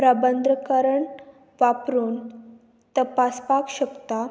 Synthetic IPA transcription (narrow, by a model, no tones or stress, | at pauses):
pɾabənd̪ɾəkəɾəɳ | ʋapɾuːn | t̪əpaspakɕəkt̪a